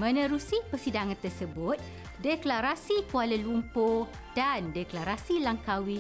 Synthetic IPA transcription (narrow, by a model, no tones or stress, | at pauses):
mə̃nə̃ɾusipəsidaŋãnt̪ərsəbʊt̪̚ | deklaɾasikualəlumpo | dandɛklaɾasilaŋkawi